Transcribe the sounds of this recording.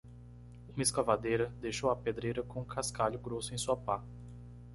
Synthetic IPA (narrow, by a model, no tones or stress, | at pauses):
ũmeskavad̪ejɾɐd̪ejʃowɐped̪ɾejɾɐkõũkʰaskaʎʊɡɾosʊẽj̃suoɐpa